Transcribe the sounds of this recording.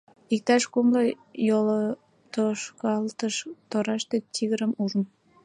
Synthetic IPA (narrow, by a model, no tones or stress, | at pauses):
ik̚t̪ɑʃkumlo | jolo | t̪oʃkɑlt̪əʃt̪oɾɑʃt̪et̪iɣəɾəmuʒən